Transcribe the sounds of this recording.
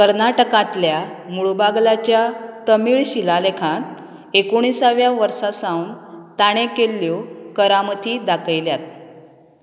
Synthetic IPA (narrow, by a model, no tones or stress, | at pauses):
kəɾnaʈəkãt̪ljamuɭubaɡlat͡ɕjat̪əmiːɭɕilalekʰãt̪ | ekoɽ̃isaʋjaʋəɾsasãwnt̪aɽ̃ekelːjokəɾamət̪ʰid̪akʰəjljat̪̚